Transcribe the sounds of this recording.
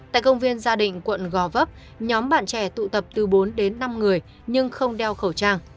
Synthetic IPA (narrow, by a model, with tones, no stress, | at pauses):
t̪a̰ː˧˨jkə˧wŋ͡mvi˧ənzaː˧ɗḭ̈˧˨ŋ̟kwə̰˧˨nɣɔ˨˩və˦˥p̚ | ɲɔ˨˦mɓa̰ː˧˨nt͡ɕɛ˧˩t̪ṵ˧˨t̪ə˨˩p̚t̪ɨ˨˩ɓo˨˦nɗe˨˦nːa˧mŋɨ˨˩əj | ɲɨ˧ŋxə˧wŋ͡mɗɛ˧wxə˧˩wt͡ɕaː˧ŋ